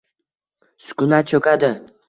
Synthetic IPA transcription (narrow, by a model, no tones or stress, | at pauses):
sʊ̥kʊnat͡ʃʰɵkʲʰad̪ɪ